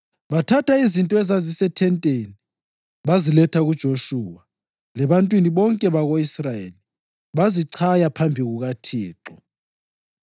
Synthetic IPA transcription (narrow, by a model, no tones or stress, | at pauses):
βatʰatʰaizintʼɔɛzazisɛtʰɛntʼeni | βazilɛtʰaɣud̥ʒ̥ʱoʃuːwa | lɛβantʼwiniβɔŋkʼɛβaɣoisrajḛli | βaziǀʰajapʰambʱiɣuɣatʰiːǁɔ